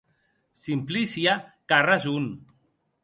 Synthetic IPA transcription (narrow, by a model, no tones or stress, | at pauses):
simplisjakarazun